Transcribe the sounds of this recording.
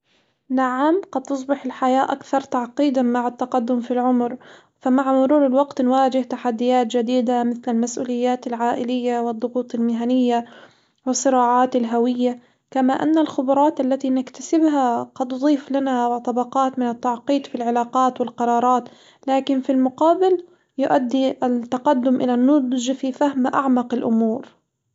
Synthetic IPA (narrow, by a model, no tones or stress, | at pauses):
naʕamqɑd̪̚t̪ːʊs̬ˤbɪħɪlħajaːʔakθɑɾˤt̪aʕqiːd̪amaʕat̪ːaqɑd̪ːʊmfilʕʊmɾ | famaʕmʊɾuːɾɪlwɑɡt̪nwaːd͡ʒɪht̪aħad̪ːɪjaːt̪d͡ʒad̪iːd̪amɪθlalmasʔṵːlɪjːaːt̪alʕaːʔɪlɪjːawɪd̪ˤːʊɣuːt̪ˤɪlmɪɦanɪjːa | wɪsˤːɨɾɑːʕaːt̪alɦawɪjːa | kamaʔa̰nːalxʊbɾˤɑːt̪ʔalːat̪inɪkt̪ḁsɪbɦaqɑd̪nd̪ˤiːflanat̪ˤɑbɑqɑːt̪mɪnat̪ːɑʕqiːd̪filʕɪlaːqɑːt̪wɪlqɑɾˤɑːɾˤɑːt̪ | laːkɪnfilmʊqɑːbɪl | jʊʔad̪ːiʔat̪ːɑqɑd̪ːʊmʔɪ̰lanʊd̪ʒfifahmʔa̰ʕmɑqɪlʔʊmuːɾ